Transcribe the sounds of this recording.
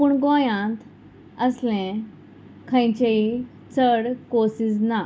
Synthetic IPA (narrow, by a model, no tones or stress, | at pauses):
puːɳɡɔ̃jãt̪ | əslɛ̃ | kʰə̃jt͡ɕei | t͡səɽkosisna